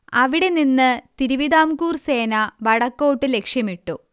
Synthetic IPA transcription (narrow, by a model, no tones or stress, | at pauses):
ɐʋiɽe̞ninːɨt̪iɾuʋid̪aːmkuːrse̞ːnɐʋɐɽɐkːo̞ːʈːɨle̞kʂjɐmiʈːu